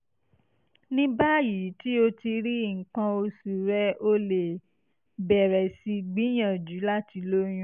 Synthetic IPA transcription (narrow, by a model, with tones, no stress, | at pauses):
nĩ˦ba˦ji˨˦ti˦o˧ti˧ɾi˦˨ŋ̩˨k͡pã˧o˧su˨ɾɛ˦o˧le˨ | bɛ˨ɾɛ˨si˧ɡ͡bi˨˦j̃ã˨d͡ʒu˨˦la˦ti˨˧lo˦j̃ũ˦